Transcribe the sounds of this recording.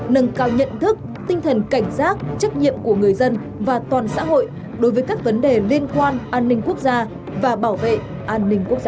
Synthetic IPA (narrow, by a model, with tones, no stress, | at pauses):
nɨ˨˩ŋkaː˧˩wɲə̰˧˨nt̪ʰɨ˦˥k̚ | t̪ï˧ŋt̪ʰə˨˩nka˧˩jŋ̟saː˦˥k̚t͡ɕa˦˥t̚ɲḭ˧˨əmku˧˩əŋɨ˨˩əjzə˧n | vaː˨˩t̪waː˨˩nsa̰ː˧˥ɦo̰˧˨j | ɗo˨˦jvəː˨˦jkaː˦˥k̚və˨˦nɗe˨˩li˧ənkwaː˧nʔaː˧nːï˧ŋ̟ku˦˥ək̚zaː˧ | vaː˨˩ɓaː˧˩wvḛ˧˨ʔ | ʔaː˧nːï˧ŋ̟ku˦˥ək̚zaː˧